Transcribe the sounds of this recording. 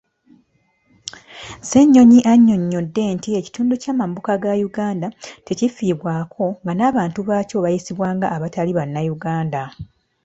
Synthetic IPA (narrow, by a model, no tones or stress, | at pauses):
se̞ɲːo̞ɲiʔaɲːo̞ɲːo̞dːe̞ːntie̞ci̥tuːnducaːmambukaɡajuɡaːndate̞cifiːβwaːkʰo̞ŋɡanaːβaːntuβaːco̞βajisiβwaːŋɡaːβataliβanːajuɡaːnda